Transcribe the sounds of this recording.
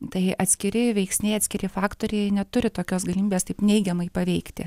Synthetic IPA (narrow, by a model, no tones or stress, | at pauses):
t̪ɐɪʔɐt̪ʲsʲkʲɪɾʲɪʋʲɛɪksʲnʲɛɪɐt̪sʲkʲɪɾʲɪfɑːkt̪oːɾʲɛɪnʲɛt̪ʊɾʲɪt̪oːkʲoːsɡɐlʲɪmʲiːbʲeːst̪ɐɪpnʲɛɪɡʲɛmɐɪpɐʋʲɛɪkt̪ʲɪ̰